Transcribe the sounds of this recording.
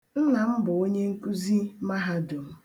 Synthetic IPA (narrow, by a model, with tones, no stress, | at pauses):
n̩˦na˨m̩˦bʊ˨o˦ɲe˦ŋ̩˦ku˦zi˦ma˦ɦa˦do˨m̩˦